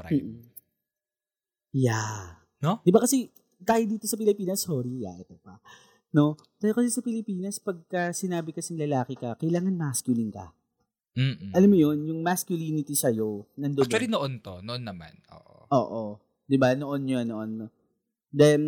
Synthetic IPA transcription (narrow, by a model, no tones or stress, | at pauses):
m̩ːʔ | ja | nod̪ɪbakɐsɛ | d̪aːhɪd̪iːt̪o̞sɐpɪlɪpiːnɐsːoɾija̰ʔɛt̪opɐ | no̞ | t̪ɐjokɐsɛsɐpɪlɪpiːnɐspɐɡ̚kɐsɪnaːbɪkɐsɪŋlɐlaːkɪkɐkɐjlaːŋɐnmaskjʊlinkɐ̰ | ʔɐlamːojo̞njʊŋmaskjʊliːnɪt̪isɐjo̞nɐnd̪omɛd̪ɪnoʔont̪onoʔonːɐma̰nʔo̰ːʔo̰ʔo̰ːʔo | d̪ɪbanoʔonːjonoʔon | d̪ɐn